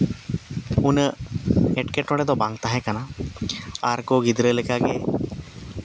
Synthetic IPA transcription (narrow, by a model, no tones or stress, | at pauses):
unə | ɛʈkɛʈɔɽɛd̪ɔbaŋt̪aɦɛkana | aɾkɔɡid̪ɾəlɛkaɡe